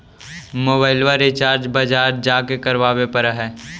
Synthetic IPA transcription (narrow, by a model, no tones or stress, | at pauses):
moːbaːɪlʋaɾɪt͡ʃaːɾd͡ʒbɐd͡ʒaːɾd͡ʒd͡ʒaːkekɐɾʋaːbepɐɾəɦɛː